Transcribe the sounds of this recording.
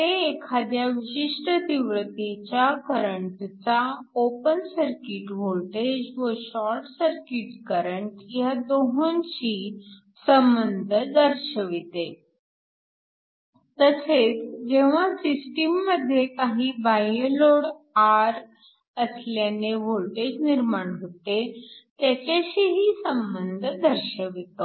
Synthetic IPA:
t̪eːkʰad̪jaʋiɕiʂʈət̪iʋɾət̪it͡ɕjakəɾəɳʈt͡saopənsəɾkiʈʋoʈed͡ʑʋəɕɔɾʈsəɾkiʈkəɾəɳʈjad̪oɦont͡ɕiː | səmbənd̪ʱəd̪əɾɕəʋit̪e | t̪əset͡sd͡ʑeʋ̤asisʈimːəd̪ʱjekaɦibajloɽaɾ | əsljaneʋolʈed͡ʑniɾmaɳɦot̪et̪jat͡ɕaɕiɦiːsəmbənd̪ʱd̪əɾɕəʋit̪o

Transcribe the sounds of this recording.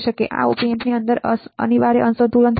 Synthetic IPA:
ʃəkeʔa̰upiempniənd̪əɾə̰niʋaɾeʔənsət̪ulənt̪ʰ

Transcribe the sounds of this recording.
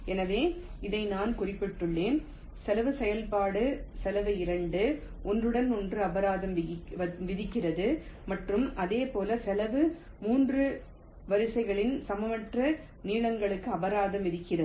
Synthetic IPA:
ɛnɐʋeːɪðɐɪnaːnkʊrɪpːɪʈːɯɭːeːn | sɛlɐʋɯsɛjɐlpaːɽɯsɛlɐʋɯɪɾɐɳɖɯ | ʔɔndrɯɽɐnɔndrɯɐʋɐɾaːðɐmɐʋɪðɪkːɪrɐðɯmɐʈrɯmɐðeːpoːlɐsɛlɐʋɯ | muːndrɯ | ʋɐɾɯsɐɪɣɐɭɪnsɐmɐʋɐʈrɐ | niːɭɐŋɡɐɭɯkːɯɐʋɐɾaːðɐmʋɪðɪkːɪrɐɯ

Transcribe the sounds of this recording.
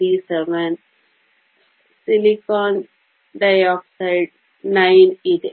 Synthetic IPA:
iseʋən | silikɔ̃ːn | ɖaɪɔksaɪʈ̚ | nãɪneʈ

